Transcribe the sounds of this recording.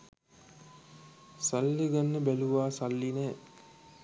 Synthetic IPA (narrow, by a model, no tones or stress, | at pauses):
salːeɡanːəbæluʋaːsalːinɛː